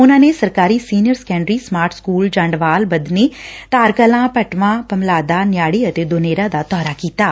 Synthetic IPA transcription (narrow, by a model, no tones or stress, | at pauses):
ʊnãːneːsəɾkaːɾiːsiːnjəɾsə̥kɛ̃ːɳɖɾiːsmaːɾʈʰskuːld͡ʒãːɳɖʋaːlbəd̪neːt̪aːɾkəlãːpəʈʋãːpəmlaːd̪aːnɪjaːɽiːət̪eːd̪oneːɾãːd̪aːt̪ɔːɾaːkiːt̪aː